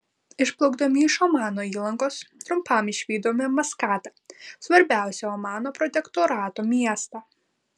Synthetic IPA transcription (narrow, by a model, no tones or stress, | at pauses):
ɪʃplˠɐʊɡd̪ɐmʲɪɪʃɔmɑːnoːiːlˠɐŋkoːst̪ɾʊmpɐmɪʃʲʋʲiːd̪oːmʲɛmɐskɑːt̪ɐsʋɐɾʲbʲæˑʊsʲɛɔmɑːnoːpɾɔt̪ʲɛkt̪ɔɾɑːt̪oːmʲiɛst̪ɑ